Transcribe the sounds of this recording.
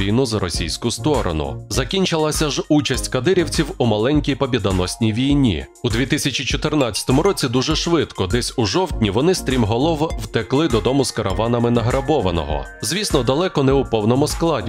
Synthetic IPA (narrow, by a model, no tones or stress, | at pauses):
ijnʊzɐɾɔsʲḭjsʲkʊst̪ɔɾɔ̰nʊ̰zɐkʲinʲt͡ʃɪlˠɐsʲɐʒut͡ʃɐsʲtʲkɐd̪ɪɾʲiwt͡sʲiwumɐlˠɛnʲkʲijpɔbʲid̪ɐnɔsʲnʲijʋʲijnʲḭ | ʊd̪ʲʋʲit̪ɪsʲɐt͡ʃʲit͡ʃɔt̪ɪrnɑt͡sʲɐ̥t̪ɔmʊɾɔt͡sʲid̪uʒɛʃʋɪt̪kɔd̪ɛsʲʊʒɔwtʲnʲiʋɔnɪst̪ɾʲimɦɔlˠɔʋwt̪eklˠɪd̪ɔd̪ɔmʊskɐɾʔɐʋɑnɐmɪnɐɦɾɐbɔʋɐnɔ̰ɦɔ̰zʋʲisnɔd̪ɐlˠɛkɔnɛʊpɔwnɔmʊsklˠɑdʲ